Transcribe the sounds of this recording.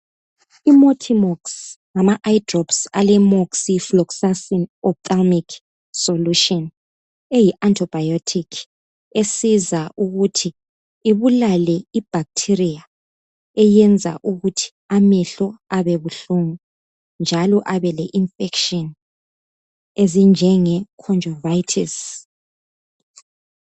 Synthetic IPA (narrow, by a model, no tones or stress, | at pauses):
imotʰimɔksŋamaʔajdrɔpsalɛmoksiflɔksasinɔp̚tʼalmikʰ | soluʃɔn | ejiʔantʼʰɔb̥ʱajotʰikʰ | esizaʔuɣutʰiː | βulalɛib̥ʱak̚tʰirija | ɛjɛnd͡zʱa̰ʔuɣutʰi̥ | amɛɬɔaβɛβuɬuŋu | nd͡ʒʱalɔʔaβɛlɛʔiɱfɛkʃɔn | ezind͡ʒʱɛŋɛkʰɔnd͡ʒʱɔvajtʰis